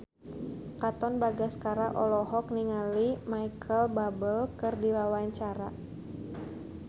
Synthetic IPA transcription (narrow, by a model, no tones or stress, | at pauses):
kat̪ɔnbaɡaskaɾaʔɔlɔɦɔk̚niŋalimajkʰəlbabəlkɨrdiwawaɲt͡ʃaɾa